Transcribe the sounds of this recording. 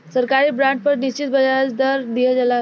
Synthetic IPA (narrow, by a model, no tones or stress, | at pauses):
səɾkaɾiːbɾãɳʈ̚pəɾniɕt͡ɕit̪̚bəd͡zaɾat͡sd̪əɾd̪ijed͡zala